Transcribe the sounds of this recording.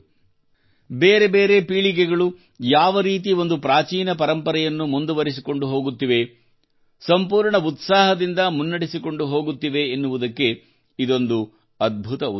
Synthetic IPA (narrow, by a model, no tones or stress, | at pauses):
beːɾe̞be̞ːɾe̞piːɭik̬ɛɡɐɭu | jaːʋɐɾiːt̪̬io̞nd̪upɾaːt͡ʃiːnɐpɐɾɐmpɐɾɛjɐnːumund̪uʋɐɾisiko̞ɳɖuɦo̞ːɡut̪ːiʋe̞ | sɐmpuːɾɳɐut̪saːɦɐd̪ind̪ɐmunːɐɽisiko̞ɳɖuɦo̞ːɡut̪ːiʋe̞ːnːuʋud̪ɐkːe̞ | id̪o̞nd̪u | ɐd̪̚bʱut̪ɐu